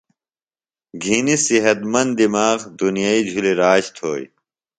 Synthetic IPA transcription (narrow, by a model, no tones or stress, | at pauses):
ɡʱinisiɦɐt̪mɐnd̪d̪imaːɣd̪unijaid͡ʑʱuliɾaːɕt̪ʰo̰ːj